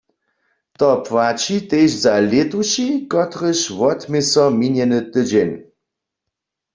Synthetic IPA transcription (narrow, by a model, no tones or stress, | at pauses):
t̪ɔpwat͡ʃit̪eːʃzalet̪uʃikɔt̪ʁəʃwɔt̪mesɔminjɛnɨt̪əd͡ʑɛn